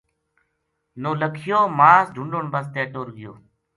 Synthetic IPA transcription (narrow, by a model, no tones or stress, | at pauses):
noːləkʰɪjoːmaːsdʱʊɳɖoːɳbəst̪eːʈoːɾɡɪjo̰ː